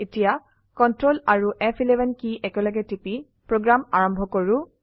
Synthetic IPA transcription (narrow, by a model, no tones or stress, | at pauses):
etija | kɔntɹolaɹuʔɛpʰilɛbʱɛnkiʔɛkɛlɔɡɛtipi | pɹoɡɹamaɹɔmbʱɔkoɹu